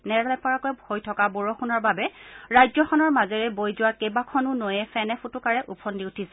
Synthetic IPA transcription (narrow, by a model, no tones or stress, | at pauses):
nɛɹɛpɔɹakojbʱojtʰɔkaboɹɔxunɔɹbabɛɹajzɔxʰɔnɔɹmazɛɹɛbojzʊwakejbakʰɔnʊnojɛfʰɛnɛfʰutʊkaɹɛʔupʰɔndiutʰisɛ